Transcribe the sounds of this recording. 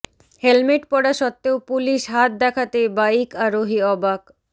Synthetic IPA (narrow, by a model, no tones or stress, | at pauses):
helmeʈpɔɽaʃɔt̪ːeopuliʃɦat̪̚d̪ɛkʰat̪ebaikaɾoɦiɔbak